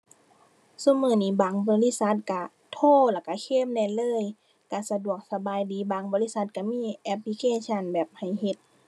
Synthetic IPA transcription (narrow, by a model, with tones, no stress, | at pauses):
su˧˨mɯː˧˩niː˧˩baː˨˩ŋbɔː˧˦li˧˥˨sa˧˦t̪̚ka˧˩ | t̪ʰoː˧˥˩laː˧˩ka˧˩kʰeː˧˥˨mdɛː˧˨lɤː˧˥˨j | ka˧˩sa˧du˨˩ək̚sa˧baː˨jdiː˨˦baː˨˩ŋbɔː˧˦li˧˥˨sa˧t̪̚ka˧˩miː˧˥˨ʔɛ˧p̚li˧kʰeː˧˥˨sʰa˧˩˨nbɛː˨˩p̚ha˨˩jhe˧˦t̪̚